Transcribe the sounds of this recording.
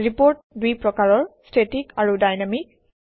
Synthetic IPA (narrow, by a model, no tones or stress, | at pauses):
ɹipoɹt̚dujpɹɔkaɹɔɹstʰetikaɹudajnamik̚